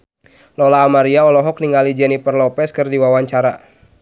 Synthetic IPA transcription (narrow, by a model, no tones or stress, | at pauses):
lɔlaːmaɾiaɔlɔɦɔk̚niŋɡalid͡ʒɛnipərlɔpɛskɨrdiwawaɲt͡ʃaɾa̰